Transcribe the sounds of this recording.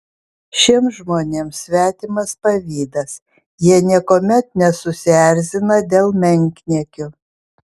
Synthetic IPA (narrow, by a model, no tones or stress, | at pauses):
ʃʲiɛmʒmoːnʲeːmsʲʋʲæːt̪ʲɪmɐspɐʋʲiːd̪ɐs | jiɛnʲiɛkoːmʲɛt̪̚nʲɛsʊsʲæɾʲzʲɪnɐd̪ʲeːlˠmʲɛŋʲkʲnʲiɛkʲʊ